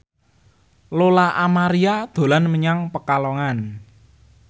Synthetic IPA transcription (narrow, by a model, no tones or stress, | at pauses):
lolaʔamaɾiad̪̥o̤lanməɲaŋpəkalɔŋan